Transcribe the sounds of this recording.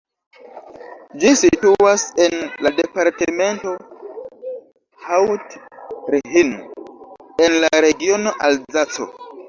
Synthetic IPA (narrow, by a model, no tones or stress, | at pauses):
d͡ʒisituasenladepaɾteme̞nto̞ | hawtɾiɦin | enlaɾe̞ɡio̞no̞ʔalzat͡so̰